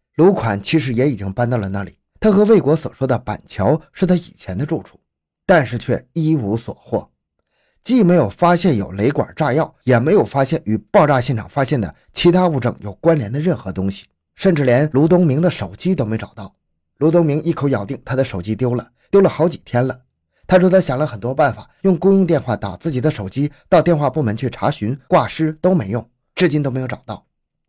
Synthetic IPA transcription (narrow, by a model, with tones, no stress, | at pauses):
lu˧˥kʰwa˨˩nt͡ɕʰi˧˥ʂ̬ɻ̩˧˥jɛ˧˥i˨˩t͡ɕi˥ŋpa˥˧nt̪ɑ˥˩ʊlə˩na̰˥˩lḭ˨˩˦t̪ʰa˥xɤ˧˥we˥˩ɪkwɔ˧˥swɔ̰˨˩ʂwɔ˥d̪ə˨pa̰˨˩nt͡ɕʰjɑ˧˥ʊʂɻ̩˥˩t̪ʰa˥i˨˩t͡ɕʰjɛ˧˥nd̪ə˧ʈ͡ʂu˥˧ʈ͡ʂʰu̥˥˩ | t̪a˥˧nʂɻ̩˥˧t͡ɕʰɥɛ˥˩i˥u˧˥swɔ̰˨˩xwɔ̰˥˩ | t͡ɕi˥˩me˧˥ɪjo˨˩ʊfa˥ɕjɛ˥˩njo˨˩ʊle˧˥ɪkwa̰˨˩ʈ͡ʂa˥˧jɑ˥˩ʊjɛ˨˩me˧˥ɪjo˨˩ʊfa˥ɕjɛ˥˩ny˨˩pɑ˥˧ʊʈ͡ʂa˥˧ɕjɛ˥˩nʈ͡ʂʰɑ̰˨˩ŋfa˥ɕjɛ˥˩nd̪ə̰˩ | t͡ɕʰi˧˥t̪ʰa˥u˥˧˩ʈ͡ʂɤ˥˩ŋjo˨˩ʊkwa˥nljɛ˧˥nd̪ə˧ɻə˥˩nxɤ˧˥t̪ʊ˥ŋɕi̥˨ | ʂə˥˧nʈ͡ʂɻ̩˥˩ljɛ˧˥nlu˧˥t̪̬ʊ˥ŋmi˧˥ŋd̪ə˧ʂo˨˩ʊt͡ɕi˥t̪o˥me˧˥ɪʈ͡ʂɑ˨˩ʊt̪ɑ˥˩ʊ | lu˧˥t̪̬ʊ˥ŋmi˧˥ŋʔi˥˩kʰo˧˥ʊjɑ˨˩ʊt̪̬i˥˩ŋt̪ʰa˥d̪ə˨ʂo˨˩ʊt͡ɕi˥t̪jo˥ʊlə˨ | t̪jo˥ʊlə˨xɑ˧˥ʊt͡ɕi̥˨˩t̪ʰjɛ˥nlə˨ | t̪ʰa˥ʈ͡ʂɔ˧˥d̪ə˧ɕjɑ˨˩ŋlə˦xə˨˩nt̪wɔ˥pa˥˩nfa˨˩jʊ˥˩ŋkʊ˥ŋjʊ˥˧ŋt̪̬jɛ˥˧nxwa˥˩t̪a̰˨˩t͡sɹ̩˥˩t͡ɕi˨˩d̪ə˦ʂo˨˩ʊt͡ɕi˥t̪ɑ˥˧ʊt̪jɛ˥˧nxwa˥˧pu˥˩mə˧˥nt͡ɕʰy˥˩ʈ͡ʂʰa̰˧˥ɕy˧˥nkwa˥˩ʂɻ̩˥t̪o˥ʊme˧˥ɪjʊ˥˩ŋ | ʈ͡ʂɻ̩˥˩t͡ɕi˥no˥me˧˥ɪjʈ͡ʂɑ˨˩ʊt̪ɑ˥˩ʊ